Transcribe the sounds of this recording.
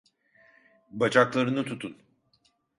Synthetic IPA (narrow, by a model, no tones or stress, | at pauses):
bat͡ʃʰaklˠaɾɯnɯt̪ʰut̪ʰun